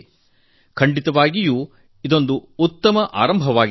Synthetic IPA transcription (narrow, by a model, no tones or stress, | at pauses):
kʰɐɳɖit̪ɐʋaːɡijuː | id̪o̞nd̪uːt̪ːɐmɐʔa̰ːɾɐmbʱɐʋaːɡ